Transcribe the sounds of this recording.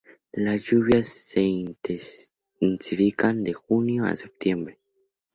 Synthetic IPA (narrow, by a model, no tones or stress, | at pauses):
lasjuβjasːe | nsifikand̪exunjoa̰sep̚t̪jembɾe